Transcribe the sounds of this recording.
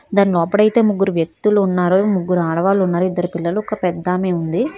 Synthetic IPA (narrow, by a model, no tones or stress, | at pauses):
d̪aːnilɔːpɐɽɐjt̪e̞ːmuɡːuɾuʋjek̚t̪uluːnːaːɾumuɡːuɾuaːɽɐʋaːlunːaːɾuid̪ːɐɾipilːɐluɔkɐpɛd̪ːaːme̞ːund̪i